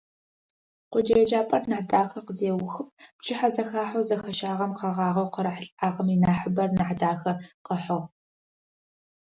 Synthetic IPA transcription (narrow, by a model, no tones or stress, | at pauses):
qʷʊd͡ʒɐjɛd͡ʒaːpʼɐrnaħdaːxɐqəzeːwʊxɨp̚ʰbt͡ʃʰʼɪħazɐxaːħowzɐxɐʃaːʁɐmqɑʁɑːʁɐwqəɾɐħəɬʼaːʁɐminaːħəbɐrnaħdaːxɐqəħʊʁ